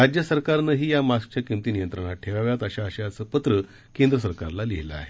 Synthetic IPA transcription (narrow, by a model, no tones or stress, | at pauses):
ɾad͡ʑjəsəɾkaɾnəɦiːjamask̚t͡ɕjakimt̪iːnijənt̪ɾəɳ̃aʈʰeʋaʋjat̪əɕaəɕaəsəpət̪ɾə | kẽnd̪ɾəs̬əɾkaɾlaliɦila̰a̰ɦe